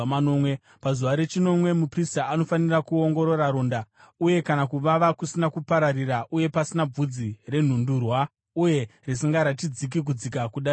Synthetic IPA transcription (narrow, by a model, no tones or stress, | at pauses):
nomwe | pazuʋaɾe̞t͡ʃino̞mwe̞mupristaːno̞fanirakuo̞ŋɡo̞ɾo̞ɾaɾonda | uje̞kanakuʋaʋakusinakupaɾariraʔuje̞pasinab͡vud͡zire̞n̤undurwa | uje̞risiŋɡaɾatid͡zik̬ik̬ud͡zikakuɗa